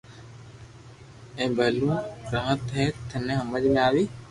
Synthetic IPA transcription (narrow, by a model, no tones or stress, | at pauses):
ẽːbəlũːɾaːɦət̪ɦeːt̪ʰənẽːɦəməd͡ʒmẽaːʋiː